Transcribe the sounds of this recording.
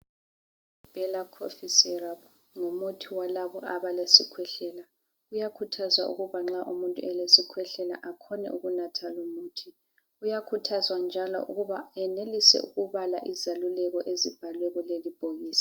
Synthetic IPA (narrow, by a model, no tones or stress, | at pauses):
b̥ʱɛlakʰo̰fisɛrap | ŋumutʰiwalaβɔaβalesikʰwɛɬɛla | ɣujakʰutʰazwa̰ʔṵɣuβaŋ͡ǁaʔumuntʼuɛlesikʰwɛɬɛla̰ʔakʰɔnɛ̰ʔuɣunatʰalumuːtʰi | ujakʰutʰazwand͡ʒʱalɔ̰ʔṵɣuβaɛnelisɛ̰uɣuβala̰ʔizalulɛɣɔʔezib̥ʱalwɛɣɔlelib̥ʱoɣiːsḁ